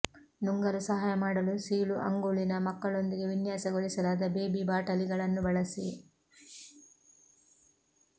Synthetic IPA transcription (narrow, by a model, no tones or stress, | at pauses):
nuŋɡɐɾusɐɦaːjɐmaːɽɐlusiːɭuʔɐ̰ŋɡuːɭinɐmɐkːɐɭo̞nd̪iɡe̞ʋinjaːsɐɡoɭisɐlaːd̪ɐbe̞ːbibaːʈɐliɡɐɭɐnːubɐɭɐsi